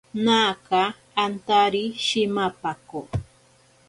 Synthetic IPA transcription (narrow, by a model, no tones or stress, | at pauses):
naːkaː | nt̪aɾiʃɪmapako